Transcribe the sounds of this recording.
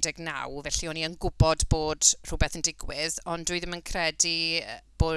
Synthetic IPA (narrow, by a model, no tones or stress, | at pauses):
dɛɡna̰wvɛɬiɔniənɡʊbɔdboːd̥r̥ʊbɛθəndɪɡwɪðɔndʊɨðəmənkʰrɛdib̥oː